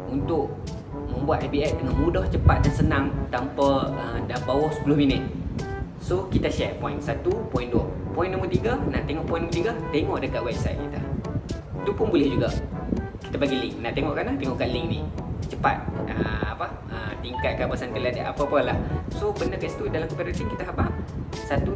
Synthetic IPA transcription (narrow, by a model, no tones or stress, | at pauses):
unt̪ʊʔ | mə̃mbuat̪̚abiɛʔ̚dəŋanmudɔht͡ʃəpat̪̚dansənaŋt̪ampəədabawɔhsə̥pulɔhminɪt̪̚ | sokit̪aʃɛrpɔinsat̪upɔĩnduə | pɔĩnːumət̪iɡənat̪eŋɔʔpɔĩnːumət̪iɡət̪eŋɔʔdəkaʔ̪̚wɛb̚sa̰jt̪̚kit̪a | t̪upʊnbulɛhd͡ʒuɡaki̥t̪abaɡilɪŋnat̪eŋɔʔkanat̪eŋɔʔkaʔlɪŋnḭt͡ʃəpa̰t̪̚ə̰a̰pə | ət̪iŋkat̪̚kabasant̪ilada̰ʔa̰pəapəlahsobənəkast̪udalamkopɛɾət̪iŋkit̪aɦabasat̪u